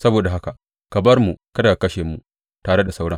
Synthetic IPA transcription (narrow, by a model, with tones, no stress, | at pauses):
sɐ˦boː˨da˨ɦa˦ka˨ | kɐ˨bɐ˦rmu˨kɐ˦da˨a˨kɐ˦ʃeː˨mu˨ | taː˨ɽe˦da˨sa˦wɽɐ˦ŋ